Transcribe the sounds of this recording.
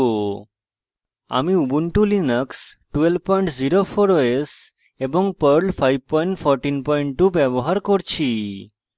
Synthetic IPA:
o | a̰miubuɳʈulinəksʈʋelʋpɔiɳʈziɾofʰoɾoes | ebɔ̃ŋɡ̚pəɾɭfʰajʋpɔiɳʈfʰɔɾʈinpɔiɳʈʈːuʋeboɦaɾkɔɾt͡ʃʰi

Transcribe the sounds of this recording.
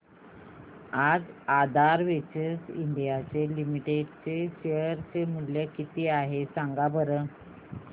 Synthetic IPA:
ad͡zad̪ʱaɾʋet͡ɕəsḭɳɖijat͡selimiʈeɖt͡seɕeəɾt͡semuljəkit̪iːaɦesaŋɡabəɾə

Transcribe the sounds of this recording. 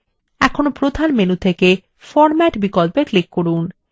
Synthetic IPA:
ɛkʰonopɾod̪ʱanmenut̪ʰeke | fɔɾmɛʈbikolpeklikːoɾun

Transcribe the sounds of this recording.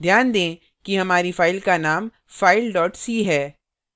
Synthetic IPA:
d̪ʱjaːnd̪ẽː | kiɦɐmaːɾifaːɪlkanaːm | faːɪlɖɔːʈsiːɦɛː

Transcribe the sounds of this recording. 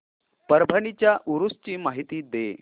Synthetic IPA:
pəɾbʱənit͡ɕjaʔuɾust͡ɕiːmaɦit̪iːd̪ḛ

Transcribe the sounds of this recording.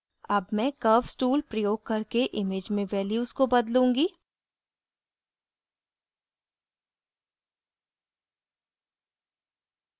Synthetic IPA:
ɐbmɛ̃kɐːfsʈuːlpɾɐjoːɡ̚kɐɾkeʔɪmeːd͡ʒmẽʋɛːljuːzkobɐd̪lũːŋɡiː

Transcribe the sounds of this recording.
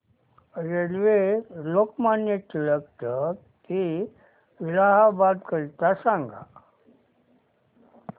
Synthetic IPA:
ɾelʋelokmanjet̪iləɡt̪ə | k̪i | ʋilaɦabad̪kəɾit̪asãŋɡa̰

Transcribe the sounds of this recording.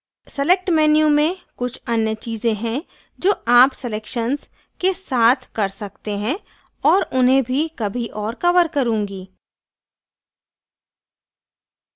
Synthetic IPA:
sɛlek̚ʈmɛːnijũmẽkʊt͡ʃʰɐnjət͡ʃiːzẽɦɛ̃ | d͡ʒoːaːpsɛleːkʃənz | kesaːt̪ʰkɐɾsɐkt̪eɦɛ̃ | ɔːɾʊnɦẽbʱikɐbʱiʔɔːɾkɐʋəɾkɐɾũːŋɡiː

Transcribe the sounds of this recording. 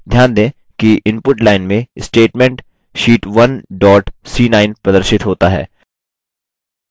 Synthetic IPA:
d̪ʱjaːnd̪ẽː | kiʔɪ̃mpʊʈlaːɪnmẽɪsʈeːʈmẽɳʈ | ʃiːʈʋɐnɖɔːʈsiːnaːɪnpɾɐd̪əɾʃɪt̪ɦoːt̪aɦɛ̰ː

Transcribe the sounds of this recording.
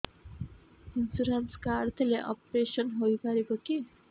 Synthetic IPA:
insuɾanskaːrt̪ʰileʔʌ̰pɾesʌnɦojpaɾekoki

